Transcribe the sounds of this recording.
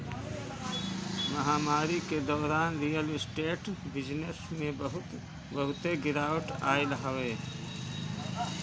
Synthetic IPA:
mɐɦaːmaːɾiked̪ɔːɾaːnɾijəlɪsʈeːʈbɪd͡ʒnesmẽbəɦʊt̪ | bəɦʊt̪eɡɪɾaːwəʈaːɪlɦəweː

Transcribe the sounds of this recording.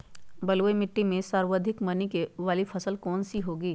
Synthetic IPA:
bɐlːemɪʈːimẽsaːɾwəd̪ʱɪkmɐnikeʋaːlipʰɐsəlkɔːnsiɦoːɡiː

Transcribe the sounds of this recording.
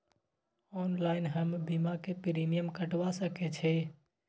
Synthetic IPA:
ɔːnlaɪnɦəmbimakepɾimijəmkəʈʋasəkɛt͡ʃʰɛ

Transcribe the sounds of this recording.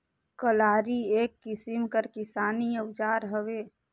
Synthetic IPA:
kəlaːɾieːkːɪsimkəɾkɪsaːniəd͡ʒaːɾɦəʋeː

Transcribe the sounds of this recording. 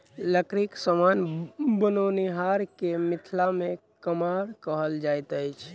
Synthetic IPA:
ləkɾiksəmanbənoniɦaɾkemit̪ʰlamekəmaɾkəɦəld͡ʒajt̪əjt͡ʃʰ

